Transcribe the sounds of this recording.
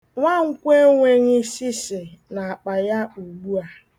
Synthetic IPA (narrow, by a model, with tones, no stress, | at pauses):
ŋʷa˦ŋ̩˦kʷe˦ŋʷe˦ɲɪ˦si˦sɪ˨na˨a˨k͡pa˨ja˦u˨ɡ͡bu˦a˨